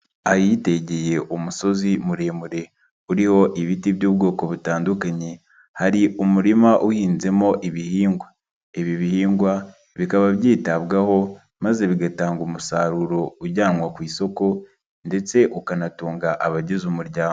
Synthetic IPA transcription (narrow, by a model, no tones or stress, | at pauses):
ajite̞ɟe̞je̞ʔumuso̞zimuɾemuɾe̞ | uɾiho̞ʔiβitiβjuːbɡo̞ːko̞βutaːndukaɲe | haɾiʔumuɾimaʔuhiːnze̞mo̞ʔiβihiːŋɡwa | eβiβihiːŋɡwa | βikaβaβjiːtaβɡaho̞ | maze̞βiɡataːŋɡumusaɾuɾo̞uɾɟaːnwakwiːso̞ko̞ | nde̞t͡se̞ʔukanatuːŋɡaʔaβaɟezumuɾɟaːo